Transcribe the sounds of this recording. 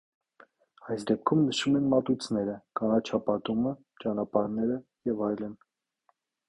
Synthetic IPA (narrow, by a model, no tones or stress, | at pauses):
ɑjsd̪ɛp̚kʰumnəʃumɛnmɑt̪ujt͡sʰnɛɾəkɑnɑt͡ʃʰɑpɑt̪umə | t͡ʃɑnɑpɑɾnɛɾəjɛvɑjlən